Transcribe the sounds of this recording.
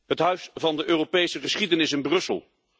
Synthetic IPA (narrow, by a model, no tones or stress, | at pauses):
ɦətɦœɥsvɑndəʔøːropejsəχəsχidənɪsɪnbrɵsə̰lˠ